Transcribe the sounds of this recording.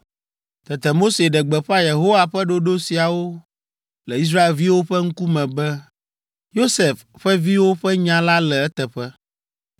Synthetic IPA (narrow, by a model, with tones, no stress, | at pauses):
t̪ɛ˨t̪ɛ˨mo˦se˨ɖɛ˨ɡ͡bɛ˨ɸa˦je˨ɦo˦wa˨ɸɛ˦ɖo˦ɖo˦si˨a˨wo˦ | lɛ˨i˦s̬ɾa˦e˨lvi˦wo˦ɸɛ˦ŋ̩˦ku˦mɛ̃˨bɛ˦ | jo˦se˨fɸɛ˦vi˦wo˦ɸɛ˦ɲã˦la˦lɛ˨ɛ˦t̪ɛ˨ɸɛ˦